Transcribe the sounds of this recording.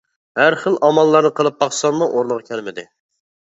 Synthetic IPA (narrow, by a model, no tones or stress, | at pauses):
hæɾχəlˠɑmɑlˠːɑɾnɨqʰəlˠɨp̚ːɑqsɑnmuʔoɾlˠəʁɑkʲʰælmɪd̪ɪ